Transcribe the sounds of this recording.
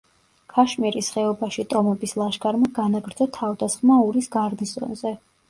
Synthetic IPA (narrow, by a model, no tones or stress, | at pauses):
kʰaʃmiɾisχɛɔbaʃit̪ʼɔmɔbislˠaʃɡʰʼaɾmaɡanaɡɾd̪zɔt̪ʰavd̪asχmauɾisɡaɾnist̪ʼɔ̰nzɛ